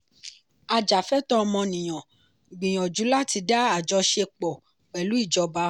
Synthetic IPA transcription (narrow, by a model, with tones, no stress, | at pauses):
a˨d͡ʒa˨fɛ˦tɔ˦˧mɔ̃˧nĩ˨j̃ɔ̃˨ | ɡ͡bĩ˨j̃ɔ̃˨d͡ʒu˨˦la˦ti˧da˦a˨d͡ʒɔ˧˦ʃe˧k͡pɔ˨ | k͡pɛ˨lu˨˦i˦˨d͡ʒɔ˨˧ba˧˦